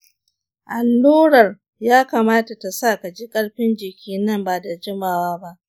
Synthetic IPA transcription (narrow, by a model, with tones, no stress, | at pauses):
ʔa˨lːuː˦ɽɐ˨r | jaː˦kaː˨maː˦ta˨ta˨sa˦˨ka˨d͡ʒi˦kʼɐ˦ɽɸɪ˦nd͡ʒɪ˨kʲʰiː˦nɐ˦˨mbaː˨da˨d͡ʒɪ˦maː˨waː˦ba˦ʔ